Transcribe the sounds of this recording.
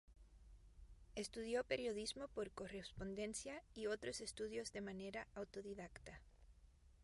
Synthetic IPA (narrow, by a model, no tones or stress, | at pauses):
e̞st̪uðjo̞pe̞ɾjo̞ðizmo̞po̞ɾko̞respo̞nd̪e̞nsjaio̞t̪ɾose̞st̪uðjo̞zðe̞mane̞ɾaʔawt̪o̞ðiðakt̪a